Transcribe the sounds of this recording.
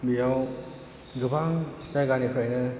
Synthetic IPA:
mijaw | ɡɯbʱaŋsajɡanipʰɾajnɯ

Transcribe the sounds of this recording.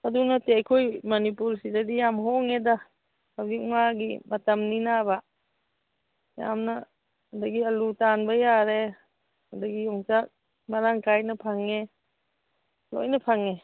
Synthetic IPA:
adunatejkʰojmanipuɾsizadijamɦɔŋeda | abiʔ̚ŋaɡimatɐmninaba | ja̰mna | daɡiɐlutanbajaɾe | adaɡijɔŋsak̚ | maɾaŋkajnɐpʰaŋe | lo̰jnɐpʰaŋe

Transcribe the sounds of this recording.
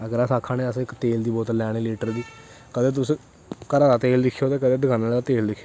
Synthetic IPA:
əɡəɾəsaːkʰːaːneːəsɪkt̪eːld̪iːbɔːt̪lɛːɽ̃iːleːʈəɾd̪iː | kəd̪eːt̪ʊsẽː | kəɾaːd̪aːt̪eːld̪ɪkʰːjoːt̪eːkəd̪eːd̪əɡʰãːnaːd̪at̪eːld̪ɪkʰːjo

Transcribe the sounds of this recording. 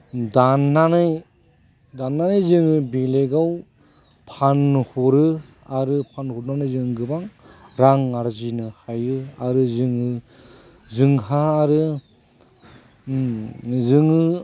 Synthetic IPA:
danːanɯj | danːanajzɯŋɯbeleɡaw | pʰanhɔɾɯ | aɾɯpʰanhuɾnanɯjzɯŋɡɯbaŋ | ɾaŋːaɾzinɯhajɯaɾɯzɯŋɯ | zɯŋhaːɾɯ | zɯŋɯ

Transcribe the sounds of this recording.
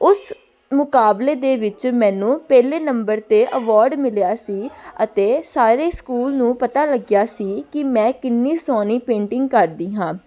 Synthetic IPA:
ʊs | mʊkaːbleːd̪eːʋɪt͡ʃmɛ̃ːnũːpɛːleːnəmbəɾt̪eːʔəʋɔːɾɖmɪljaːsiːət̪eːsaːɾeːskuːlnũːpət̪aːləɡjaːsiːkɪmɛ̃ːkɪnːiːsɔːniːpẽːɳʈɪŋɡkəɾd̪iːɦãː

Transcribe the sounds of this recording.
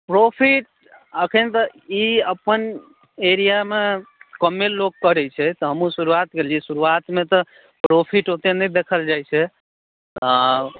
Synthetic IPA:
pɾopʰiʈ̚ | əkʰənt̪ɔiəpən | eɾijamekəmːellːoɡkəɾɛt͡ʃʰɛt̪ɔɦəmũsuɾuat̪ɡelisuɾuat̪met̪ɔ | pɾopʰiʈɦot̪enəjd̪ekʰəld͡ʒajt͡ʃʰɛ | t̪

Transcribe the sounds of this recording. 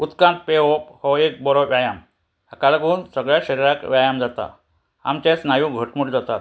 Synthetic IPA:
ut̪kãnt̪̚peophɔek̚bɔɾɔʋjajam | ɦakalaɡuːnsəɡɭjaɕəɾiɾakʋjajamd͡zat̪a̰ | a̰mt͡ɕẽt͡snajũːɡʱəʈmuʈd͡zat̪at̪

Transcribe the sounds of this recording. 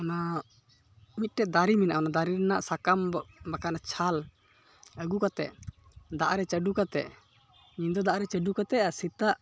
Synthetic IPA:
ɔna | mit̪̚ˀʈɛd̪aɾimina̰ʔɔnad̪aɾiɾɛnaʔsakambakanat͡ʃʰal | əɡukat̪ɛ̰ʔ | d̪aʔɾɛt͡ʃəɖukat̪ɛ̰ʔ | ɲid̪ɔd̪aʔaɾɛt͡ʃəɖukat̪ɛʔasit̪aʔ

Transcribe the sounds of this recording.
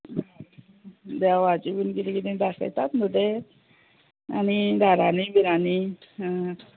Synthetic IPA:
d̪jaʋat͡ɕibunkit̪ikit̪ĩd̪asa̰jt̪at̪nuʈe | a̰nid̪aɾanibiɾani

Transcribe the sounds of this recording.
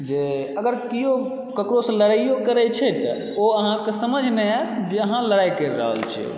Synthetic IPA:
d͡ʒeəɡəɾkijo | kəkɾosləɽaijokəɾɛt͡ʃʰɛt̪ə̰ | oəɦãkesəməd͡ʒʱnɛat̪d͡ʒeəɦãləɽajkəɾɾə̰ɦə̰lt͡ʃʰɛ̰o̰

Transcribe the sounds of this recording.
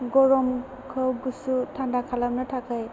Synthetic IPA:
ɡɔɾɔm | kʰɯwɡusutʰandakʰalamnɯtʰakaj

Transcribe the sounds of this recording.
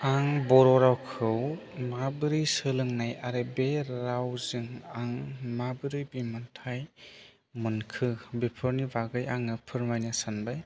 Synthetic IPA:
aŋbɔɾɔɾawkʰɯw | mabɯɾɯjsɯlɯŋnajaɾebeɾawzɯŋaŋmabɯɾɯjbimɯntʰaj | mɯnkʰɯbipʰɯɾnibaɡɯjaŋnɯpʰɯɾmajnasanbaj

